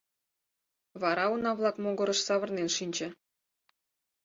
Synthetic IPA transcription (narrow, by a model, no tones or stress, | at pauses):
βɑɾɑunɑβlˠɑkmoɡɤ̆ɾə̆ʃsɑβə̆rnenʃinʲt͡ɕĕ